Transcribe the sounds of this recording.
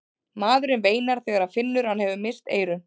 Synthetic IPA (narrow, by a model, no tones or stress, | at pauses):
maːðʏɾʏnveːjnaɾ̥θɛːɣaɾaðfɪnːʏɾ̥hanhɛvʏmɪst̪ḛːjɾʏn